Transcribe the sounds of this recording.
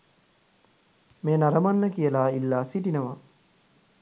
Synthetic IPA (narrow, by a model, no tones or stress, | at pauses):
meːnaɾəmanːəkijəlaːilːaːsiʈinəʋa